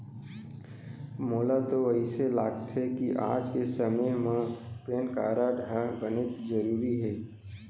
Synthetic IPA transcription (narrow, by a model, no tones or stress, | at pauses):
moːlat̪oəiselaːɡt̪ɦɛkiʔa̰ːd͡ʒkesəmeɦmãpeːnka̰ːɾaːʈɦəbənet̪zəɾuːɾiɦɛː